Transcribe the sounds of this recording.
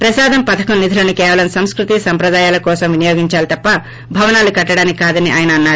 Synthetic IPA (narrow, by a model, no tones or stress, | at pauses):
pɾɐsaːd̪ɐmpɐt̪ʰɐkɐmnid̪ʱulɐnukɛːʋɐlɐmsɐmskɾut̪isɐmpɾɐd̪aːjaːlɐkɔːsɐmʋinɐjoːɡiɲt͡ʃaːlit̪ɐpːɐ | bʱɐʋɐnaːlukɐʈːɐɽaːnikaːd̪ɐniʔa̰ːjɐnɐːnːaːɾu